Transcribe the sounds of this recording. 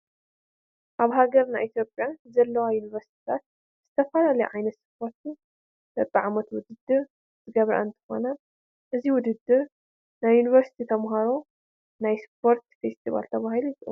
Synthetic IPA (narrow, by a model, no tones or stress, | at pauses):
ʔaβɦaɡɐɾnajʔit̪ʰjo̞pʼjazɐlːɐwajunivɐɾsi̥t̪ʰi̥t̪ʰat̪̚ | z̥ɨt̪ʰɐfɐlalɐjuʕajnɐt̪spʰo̞ɾt̪ʰi | d̪ɐtʼːiʕamɐt̪wʊd̪ɨd̪ːɨɾ | zɨɡɐβɾa̰ɨnt̪ʰɨ̥xo̞̰nɐ | ʔɨziwʊd̪ɨd̪ːɨɾ | najːunivɐɾsi̥t̪ʰit̪ʰɐmɦaɾo̞ | najspʰo̞ɾt̪fest̪ʰiva̰lt̪ʰɐβahiluit̪ʼɨu